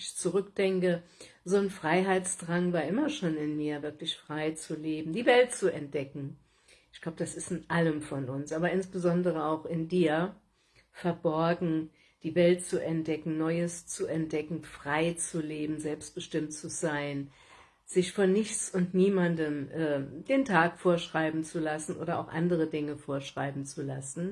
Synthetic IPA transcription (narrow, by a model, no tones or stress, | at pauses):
ɪçt͡suʁʏk̚d̥ɛŋkəzoːnfʁ̥aɪɦaɪt͡sd̥ʁaŋvaːɐʔɪmɐʃoːnɪnmiːɐvɪɐklɪçfʁ̥aɪt͡suleːbm̩diːvɛltt͡suɛnt̚d̥ɛkŋ̩ | ɪçɡ̥laʊbəd̥asɪstɪnʔaləmfɔnʔʊnsʔaːbɐɪnsb̥əzɔndəʁ̞əaʊxɪndiːɐ | fɛɐbɔɐɡŋ̩ | d̥iːvɛlt̚t͡suʔɛnt̚d̥ɛkŋ̩nɔʏəst͡suɛnt̚d̥ɛkŋ̩fʁ̥aɪt͡suleːbm̩zɛlpst̚b̥əʃtɪmtt͡suz̥aɪn | z̥ɪçfɔnɪçt͡sʊntniːmandəmʔɛːd̥eːntʰaːkfoːɐʃʁ̥aɪbm̩t͡sulasn̩ʔo̰ːɾɐʔa̰ʊxʔa̰ndəʁədɪŋəfoːɐʃʁ̥aɪbm̩t͡sulasn̩